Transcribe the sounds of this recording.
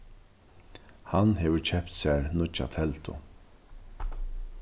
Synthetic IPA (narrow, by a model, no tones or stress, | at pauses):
hanɦɛvʏɹcʰɛpt̪sæːɾnʊt͡ʃːa̰t̪ʰɛlt̪ʊ̰